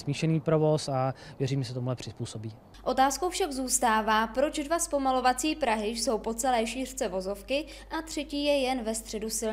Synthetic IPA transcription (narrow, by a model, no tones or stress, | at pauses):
smiːʃɛniːpɾovosavjɛɾiːmɛs̬ɛt̪omuɦlɛpr̝̥ɪspuːsobiː | ʔo̞t̪aːskowfʃaɡzuːst̪aːvaːpɾo̞t͡ʃdvaspo̞malo̞vat͡siːpɾaɦɪjso̞wpo̞t͡sɛlɛːʃiːr̝̥t͡sɛvo̞zo̞fkɪ | ʔat̪r̝̥ɛciːjɛjɛnvɛst̪r̝̥ɛdusɪl